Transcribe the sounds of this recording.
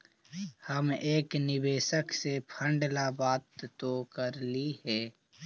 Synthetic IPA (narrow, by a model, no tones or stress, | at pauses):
həmeːknɪbeːʃəksepʰə̃ɳɖlabaːt̪ːokəɾlihɛː